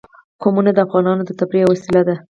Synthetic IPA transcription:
komunad̪əafɣɑnɑnod̪ət̪abɾiwasilad̪a

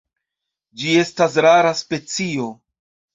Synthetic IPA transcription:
d͡ʒie̞stasɾaɾaspe̞t͡sio̞

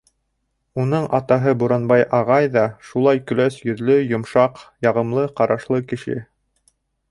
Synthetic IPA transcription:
unɤɴʔɑt̪ɑɦɤbuɾɑnbɑjɑʁɑjðɑʃulˠɑjkɵ̆læsjɵ̆ðlɵjŏmʃɑqjɑʁɤ̆mlˠɤqɑɾʔɑʃlˠɤkɘ̆ʃɘ̰

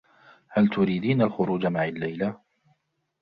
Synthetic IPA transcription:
halt̪ʊɾiːd̪iːnalxʊɾuːd͡ʒamaʕalːajla

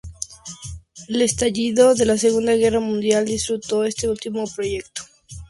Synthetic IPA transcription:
ele̞st̪aʝiðo̞ðe̞lase̞ɣ̞und̪aɣe̞ramũnd̪jald̪isfɾut̪o̞e̞st̪e̞ult̪imo̞pɾo̞ʝe̞k̚t̪o̥

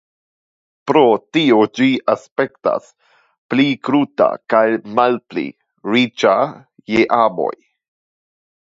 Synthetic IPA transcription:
pɾo̞tiod͡ʒiaspe̞kta̰s | plikɾuta̰kajmalplḭ | ɾit͡ʃa | jeʔabo̞̰j

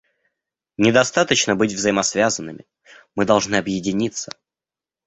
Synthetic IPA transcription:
nʲɪd̪ɐst̪at̪ət͡ɕnəbɨtʲvzəjɪmɐsvʲazənːɨmʲɪ | mɨd̪ɐlˠʐnɨɐbjɪdʲɪnʲit̪sːə̥

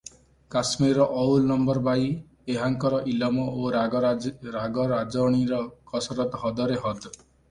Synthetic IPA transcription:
kasmiɾɾɔʔɔwlnɔmbɔɾbaj | eɦaŋkɔɾɔʔilɔmɔoɾ | ɾaɡɔɾad͡ʒɔɽ̃iɾɔkɔsɾɔt̪ɦɔd̪ɔɾeɦɔd̪

